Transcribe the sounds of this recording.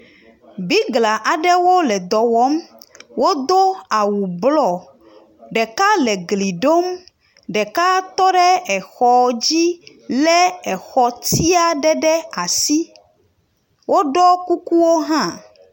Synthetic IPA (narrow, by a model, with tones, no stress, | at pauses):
bi˦ɡla˨ʔa˨ɖɛ˦wo˦lɛ˨d̪ɔ˨wɔ˦mwo˦d̪o˦a˨wu˨blɔ˦ | ɖɛ˨ka˦lɛ˨ɡli˨ɖo˦m | ɖɛ˨ka˦t̪ɔ˦ɖɛ˦ɛ˨xɔ˨d͡ʑi˦ | lɛ˦ɛ˨xɔ˨t̪i˦a˨ɖɛ˦ɖɛ˦a˨si˦ | wʔo˦ɖɔ˦ku˦ku˦wo˦ɦã˦